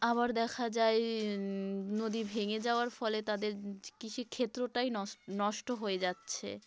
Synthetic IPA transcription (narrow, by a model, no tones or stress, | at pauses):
aβaɾd̪ɛkʰad͡ʑae | nod̪ibʱeŋed͡ʑaoaɾfɔlet̪ad̪eɾkit͡ɕʰukʰet̪ːɾoʈajnɔnɔʃʈoɦoed͡ʑatːɕʰḛ